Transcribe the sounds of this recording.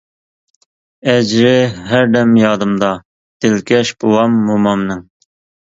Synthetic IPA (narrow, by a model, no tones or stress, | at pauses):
ɛd͡ʒɾɪɦæɾd̪ɛmjɑːd̪ɨmd̪ɑ | d̪̥ɪlkʲʰɛʃb̥owɑmːomɑmnɪŋ